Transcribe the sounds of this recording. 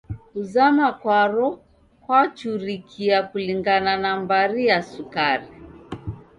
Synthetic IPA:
kuzamakwaɾɔ | kwat͡ʃuɾikʰiakuliŋɡananambaɾijasukaɾi

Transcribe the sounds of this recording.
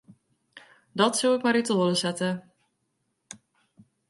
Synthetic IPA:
dɔtsəwɪkmaɾitoːləsɛtə

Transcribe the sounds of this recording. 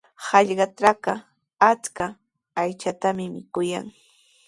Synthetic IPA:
hɑʎɢɑʈ͡ʂaka | at͡skaː | jt͡ʃat̪amɪmɪkʊja̰ŋ

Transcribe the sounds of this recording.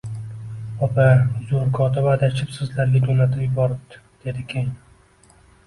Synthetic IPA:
ɒpʰazoɾkʰɒt̪ʰɪbad̪at͡ʃʰɪpsɨzlaɾɡʲad̪onat̪ʰɪmjɪbɒɾɪb̚d̪ɪ̥ | d̪̥e̞d̪ɪkʲʰej

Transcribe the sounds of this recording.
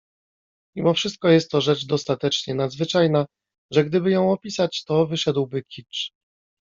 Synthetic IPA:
mʲimɔfʂɘst̪̚kɔjɛst̪ːɔʐɛt͡ʂd̪ɔst̪at̪ɛt͡ʂɲɛnad̪zvɘt͡ʂajna | ʐɛɡd̪ɘbɘjɔ̃w̃ɔpʲisat͡ɕt̪ɔvɘʂɛd̪wbɘkʲʰit͡ʂ

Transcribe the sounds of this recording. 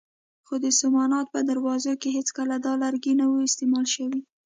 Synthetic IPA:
xod̪əsamɑnɑt̪̚pəd̪aɾwɑzokeɦet͡skəlad̪ɑlaɾɡinawuɪst̪emɑlʃəwi

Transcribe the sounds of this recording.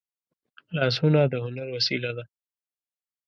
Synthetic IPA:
lɑs̬hʊnad̪əɦʊnaɾwasilad̪a

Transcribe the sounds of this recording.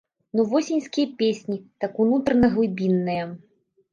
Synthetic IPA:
nuvɔsʲinʲskʲijɐpʲesʲnʲit̪akunut̪ɾɐnɐɣlˠɨbʲinːɨjɐ

